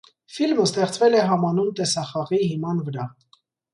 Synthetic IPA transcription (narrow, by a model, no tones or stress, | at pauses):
filməst̪ɛχt͡svɛlɛɦɑmɑnumt̪ɛsɑχɑʁiɦimɑnvəɾɑ